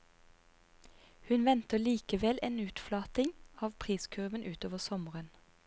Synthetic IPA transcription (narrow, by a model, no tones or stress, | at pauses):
hʉnʋɛnt̪əliːkəʋɛleːnʉːt̪flɑːt̪ɪŋɑːʋpʰʁiːskʰʉʁʋənʔʉːt̪oːʋəsɔməʁən